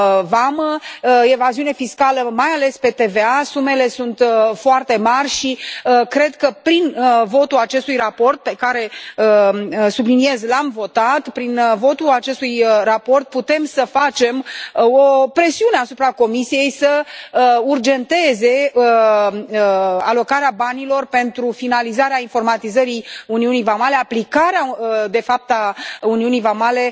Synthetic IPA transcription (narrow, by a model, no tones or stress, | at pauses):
vaməe̞vaziune̞fiskaləmajale̞spe̞t̪e̞ve̞asume̞le̞sunt̪foart̪e̞marʲʃikɾe̞d̪kəpɾinvo̞t̪ulat͡ʃe̞st̪ujrapo̞rt̪̚pe̞kaɾe̞əsublinie̞zlamvo̞t̪at̪pɾinvo̞t̪uat͡ʃe̞st̪ujrapo̞rt̪̚put̪e̞msəfat͡ʃe̞mopɾe̞siuneasupɾako̞misije̞jsə | urd͡ʒe̞nt̪e̞ze̞ə | a̰lo̞kaɾeabanilo̞rpe̞nt̪ɾufinalizaɾeainfo̞rmat̪izəɾiuniunijvamale̞aplikaɾead̪e̞fap̚t̪auniunijvamale̞